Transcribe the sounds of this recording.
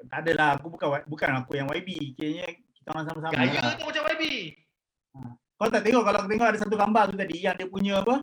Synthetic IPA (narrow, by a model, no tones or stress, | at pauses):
adalaak̬ubukanwabukanakujaŋwaibikiaɲə | kit̪aoŋas̬amas̬amaad͡ʒat̪umat͡ʃamwaibi | a | kalat̪aʔt̪ɛŋɔʔkalaakut̪̬ɛŋɔʔadas̬at̪̬uɡambat̪ut̪adijaŋdiəpuɲəapə